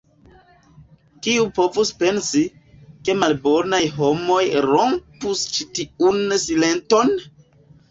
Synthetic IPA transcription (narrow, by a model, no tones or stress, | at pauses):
kiupo̞vuspe̞nsi | ke̞malbo̞najɦo̞mo̞jɾo̞mpust͡ʃitiunsile̞nto̞n